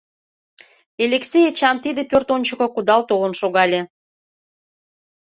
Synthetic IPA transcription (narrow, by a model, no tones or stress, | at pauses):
elʲeksʲejet͡ɕɑnt̪id̪epørt̪onʲt͡ɕəkokud̪ɑlt̪olənʃoɣɑlʲe